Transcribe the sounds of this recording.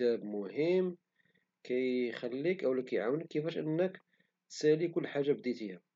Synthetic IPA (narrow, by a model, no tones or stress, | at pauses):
æbmʊhəmː | kæjxælːikʔæwlækæjʕawnəkːəfæʃʔə̰nːək | t̪sælikʊlːħaʒːabd̪it̪ihæ